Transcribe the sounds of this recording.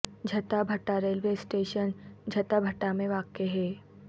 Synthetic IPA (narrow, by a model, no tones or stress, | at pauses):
d͡ʒʱɐt̪abʱɐʈːaɾeːlʋeːsʈeːʃənd͡ʒʱɐt̪abʱɐʈːamẽʋaːkeɦɛː